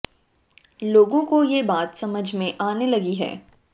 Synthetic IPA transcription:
loːɡõkojebaːt̪sɐməd͡ʒʱmẽʔaːnelɐɡiɦɛ̰ː

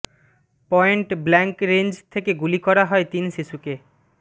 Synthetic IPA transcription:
pɔeɳʈblɛŋkɾend͡ʑt̪ʰekeɡulikɔɾaɦɔet̪inʃiʃuke

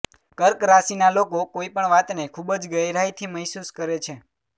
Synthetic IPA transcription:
kəɾkɾasinalokokoipəɳʋat̪nekʰubəd͡ʒɡəjɾaɦit̪ʰiməjsuskəɾet͡ʃʰe

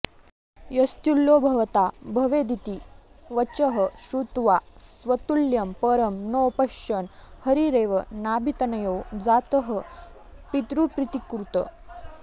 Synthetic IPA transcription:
jɐst̪julːoːbʱɐʋɐt̪aːbʱɐʋeːd̪it̪i | ʋɐt͡ʃɐɦəʃuːt̪ʋasʋɐt̪uljɐmpəɾɐmnopɐɕjɐnhɐɾiɾeːʋɐnaːbʱit̪ɐnɐjowd͡zaːt̪əɦə | pit̪ɾupɾit̪ikɾut̪ə̰

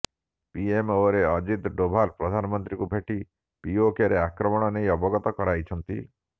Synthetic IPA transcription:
piemoɾeɔd͡ʒit̪ɖobʱaɾpɾɔd̪ʱanɔmɔnt̪ɾikubʱeʈi | piokeɾeakɾɔmɔɽ̃ɔnejɔbɔɡɔt̪ɔkɔɾajt͡ʃʰɔnt̪i

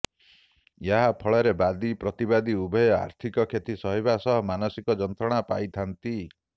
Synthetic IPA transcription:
jaɦapʰɔɭɔɾebad̪ipɾɔt̪ibad̪iubʱɔjɔa̰ɾt̪ʰikɔkʰet̪isɔɦibasɔɦɔmanɔsikɔd͡ʒɔnt̪ɾɔɽ̃apajt̪ʰant̪i

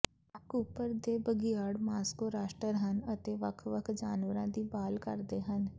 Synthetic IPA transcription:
kuːpəɾd̪eːbəɡɪjaːɽmaːskoːɾaːʃʈɾəɾɦənət̪eːʋəkʰʋəkʰd͡ʒaːnʋəɾãːd̪iːbaːlkə̰ɾd̪eːɦən

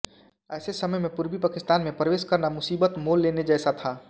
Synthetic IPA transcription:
ɛːsesəməjmẽpʊɾbipaːkɪst̪aːnmẽpɾəʋeːʃkəɾnamʊsiːbət̪moːlːeːned͡ʒɛːsat̪ʰaː

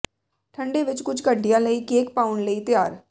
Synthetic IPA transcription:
ʈʰəɳɖeːʋɪt͡ʃkʊd͡ʒkəɖijãːləiːkeːkpaːʊnləiːt̪ɪjaːɾ

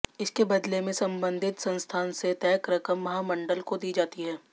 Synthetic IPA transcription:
ɪskebɐd̪lemẽsɐ̃mbə̃nd̪ʱɪt̪sɐ̃nst̪ʰaːnset̪ɛːkɾɐkəmːɐɦamɐ̃ɳɖəlkod̪iːd͡ʒaːt̪iɦɛː

